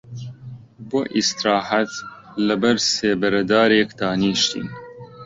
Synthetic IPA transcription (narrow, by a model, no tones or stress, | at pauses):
bo̰ːʔist̪ɾɑːhat̪ | lɐbɐɾseːbɐɾɐd̪aːɾekd̪ɑːniːʃt̪ḭːn